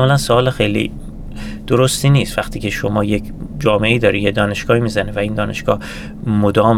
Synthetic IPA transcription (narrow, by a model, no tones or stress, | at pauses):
mɒlænsoɒːlexejlḭ | d̪̥oɾost̪iːniːst̪væxt̪ʰiːcʰe̞ʃomɒːje̞kʰ | d͡ʒɒːmeʔeiːd̪ɒːɾijed̪ɒːne̞ʃɡ̥ɒːhimiːzænevæind̪ɒːne̞̰ʃɡ̥ɒ̰ːh | mod̪ɒːm